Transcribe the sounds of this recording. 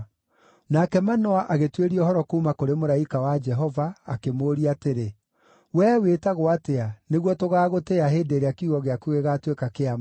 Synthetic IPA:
nakɛmanɔaʔaɣetweɾiɔhɔɾɔkoumakoɾemoɾaikawad͡ʒɛɦɔva̰ːkemoːɾiateɾe | wɛːwetaɣoateaneɣwɔtoɣaːɣoteaɦeːdeːɾeakiuɣɔɣeakuɣeɣatwekakeama

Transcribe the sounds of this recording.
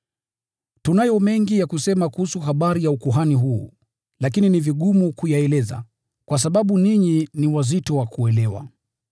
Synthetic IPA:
tunajɔmɛŋɡijakusɛmakuhusuɦaɓaɾijaukuɦaniɦṵː | lak̬ininiviɠumukujaɛlɛza̰ | kwas̬aɓaɓuniɲiniwazitɔwakuɛlɛwa̰

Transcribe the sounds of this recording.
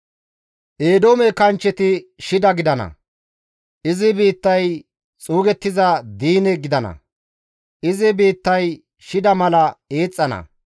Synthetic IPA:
ʔe̞ːd̪oːmɛkɐnt͡ʃːɛt̪ɪʃɪd̪ɐɡɪd̪ɐnɐ̰ | ʔɪzɪbiːt̪ːɐj | t͡sʼuːɡɛt̪ːɪzɐd̪iːnɛɡɪd̪ɐnɐ̰ | ʔɪzɪbiːt̪ːɐj | ʃɪd̪ɐmɐlɐeːt͡sʼːɐnɐ̰

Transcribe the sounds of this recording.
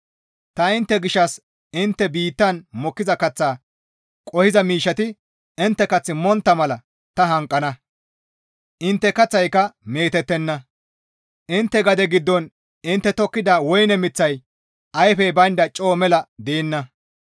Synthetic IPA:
t̪ɐɪnt̪ːɛɡɪʃːɐs | ɪnt̪ːɛbiːt̪ːɐnmɔkːɪzɐkɐt͡sːaː | kʼɔhɪzɐmiːʃːɐt̪ɪ | ɪnt̪ːɛkɐt͡sːɪmɔnt̪ːɐmɐlɐ | t̪ɐɦɐŋkʼːɐnɐ | ʔɪnt̪ːɛkɐt͡sːɐjkɐme̞ːt̪ɛt̪ːɛnːɐ | ʔɪnt̪ːɛɡɐd̪ɛɡɪd̪ːɔn | ɪnt̪ːɛt̪ɔkːɪd̪aːwɔjnɛmɪt͡sːɐj | ʔɐjfɛbɐnd̪ɐt͡ʃʼo̞ːmɛlɐd̪eːnːɐ

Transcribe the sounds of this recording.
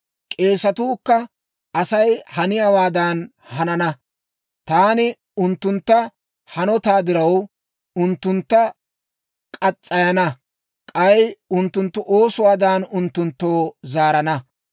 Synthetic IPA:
kʼe̞ːsɐt̪uːkːɐ | ɐsɐjhɐnɪjaːwaːd̪aːn | hɐnɐnɐ | t̪aːnɪ | ʊnt̪ːʊnt̪ːɐ | hɐnɔt̪aːd̪ɪɾɐw | ʊnt̪ːʊnt̪ːɐ | kʼɐt͡sʼːɐjɐnɐ | kʼɐjʊnt̪ːʊnt̪ːʊʔo̞ːsʊwaːd̪aːnʊnt̪ːʊnt̪ːoːzaːɾɐnɐ

